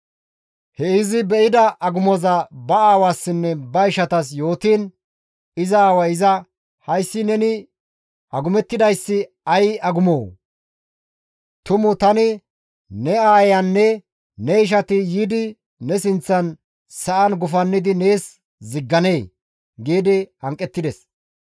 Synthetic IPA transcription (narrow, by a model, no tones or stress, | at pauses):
hɛɪzɪbɛʔɪd̪ɐʔɐɡʊmɔzɐbɐaːwaːsːɪnːɛbɐɪʃɐt̪ɐs̬jo̞ːt̪iːn | ɪzɐaːwɐɪzɐ | hɐjsːɪnɛnɪ | ʔɐɡʊmɛt̪ːɪd̪ɐjsːɪ | ɐjɐɡʊmoː | t̪ʊmʊt̪ɐnɪ | nɛaːjɐnːɛ | nɛɪʃ̬ɐt̪ɪjiːd̪ɪ | nɛs̬ɪnt͡sːɐn | sɐʔɐnɡʊfɐnːɪd̪ɪne̞ːs | zɪɡːɐne̞ː | ɡiːd̪ɪɐŋkʼːɛt̪ːɪd̪ɛs